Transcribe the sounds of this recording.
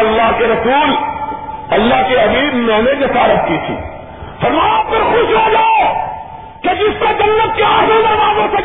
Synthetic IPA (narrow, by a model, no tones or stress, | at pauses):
ɐlːaɦkeɾɐsuːl | ɐlːaɦkeɐbiːbmɛ̃ːned͡ʒɐsaːɾɐpkit̪ʰḭː | fɐɾmaːjapɪɾxʊʃlod͡ʒaːe | ked͡ʒɪsped͡ʒɐnːət̪̚keaːzəd̪ɐɾmaːzosɐ